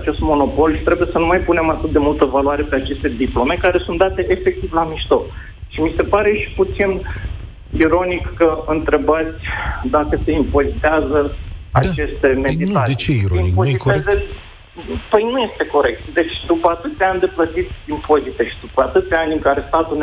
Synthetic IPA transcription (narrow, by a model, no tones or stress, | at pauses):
at͡ʃe̞st̪mo̞no̞po̞lʃi̥t̪ɾe̞buje̞sənumajpune̞mat̪ɨt̪̚d̪e̞mult̪əvalwaɾe̞pe̞at͡ʃe̞st̪e̞d̪iplo̞me̞kaɾe̞sunt̪d̪at̪e̞ʔefek̚t̪ivlamiʃt̪o̞k | ʃimise̞paɾeʃi̥put̪sin | iɾo̞nikːəɨnt̪ɾe̞bat̪sʲd̪akəse̞impo̞zit̪eazəa̰t͡ʃt͡ʃe̞st̪e̞med̪it̪at͡ʃipoieze | pəjnuje̞st̪e̞ko̞ɾe̞k̚t̪d̪e̞t͡ʃʲd̪upəat̪ɨt̪sʲeanʲd̪e̞plət̪it̪ʲimpo̞zit̪eʃid̪upəat̪ɨt̪sʲeanʲɨŋkaɾe̞st̪at̪uln